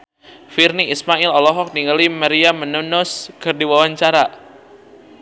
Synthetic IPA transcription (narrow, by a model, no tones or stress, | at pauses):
firniismailɔlɔɦɔk̚niŋəlimaɾiamənunɔskərdiwawaɲt͡ʃaɾa